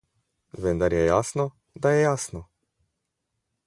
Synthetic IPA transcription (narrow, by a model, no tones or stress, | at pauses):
ʋɛnd̪aɾjɛjaːsnɔ | d̪ajɛjaːsnɔ